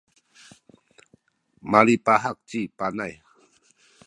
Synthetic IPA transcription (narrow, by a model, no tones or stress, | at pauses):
malipaɦak̚t͡ʃipanaj